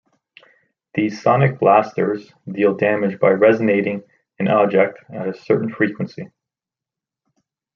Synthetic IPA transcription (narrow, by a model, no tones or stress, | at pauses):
ði̥sɑnɨk̚læstə˞z̥ | dilˠdæmɨd͡ʒbaɪɹɛzɨneɪɾɪ̃ŋ | ɨ̃nɑb̚d͡ʒɛk̚tɨɾɨsɜ˞ʔn̩fɹikwə̃nsi